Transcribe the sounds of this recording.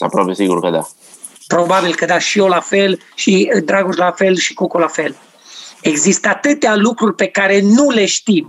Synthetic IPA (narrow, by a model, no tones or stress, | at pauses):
t̪a̰pɾɔpɾjesiɡuɾkəd̪a̰ | pɾobabilkəd̪aʃiolafel | ʃid̪ɾaɡuslafɛlʃi̥kokolafɛl | eɡzist̪at̪ɨt̪ealukɾuɾʲpekaɾenuleʃt̪im